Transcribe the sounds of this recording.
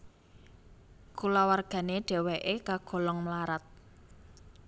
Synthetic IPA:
kulawarɡ̥a̤neɖ̥ɛ̤wɛʔekaɡ̥ɔ̤lɔŋmlaɾat̪̚

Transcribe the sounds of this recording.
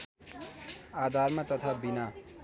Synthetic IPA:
ad̪ʱarmat̪ʌt̪ʰabina

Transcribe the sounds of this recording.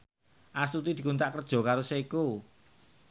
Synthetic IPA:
ʔast̪ut̪id̪̥i̤kunt̪aʔkərd̥ʒ̥ɔ̤kaɾoseiku

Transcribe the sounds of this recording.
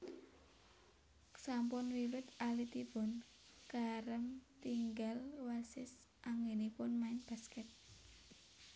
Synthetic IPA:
sampʊnwiwɪt̪alit̪ibʊn | kaɾəmt̪iŋɡalwasɪs | ʔaŋɡenipʊnmaɪnb̥a̤skɛt̪̚

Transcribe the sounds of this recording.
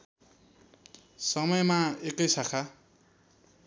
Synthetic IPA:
sʌmʌjmaekʌjsakʰa

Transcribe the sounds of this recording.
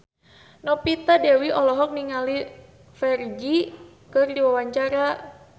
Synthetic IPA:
nɔpit̪adɛwiʔɔlɔɦɔk̚niŋali | fɛrd͡ʒi | kɨrdiwawaɲt͡ʃaɾa

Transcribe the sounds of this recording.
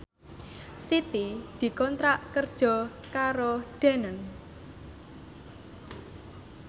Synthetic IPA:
sit̪id̪̥i̤kɔnt̪ɾaʔkərd̥ʒ̥ɔ̤ | kaɾoɖ̥e̤nən

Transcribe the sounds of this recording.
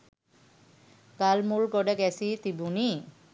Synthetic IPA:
kalmulɡɔɖɛɡɛsit̪ibuni

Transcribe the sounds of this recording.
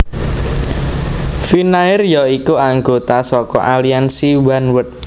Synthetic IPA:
finaɪrjɔikuaŋɡot̪asɔkɔ̰ʔaliansiwanwʊt̪̚

